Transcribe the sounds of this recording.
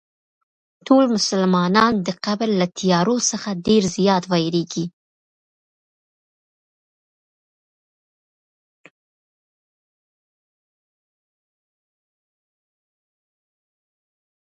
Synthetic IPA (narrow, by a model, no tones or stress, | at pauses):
tolmʊsalmɑnɑnd̪əqablːat̪ʰijɑɾosəxaɖeɾzjɑt̪wɑjɾeɡi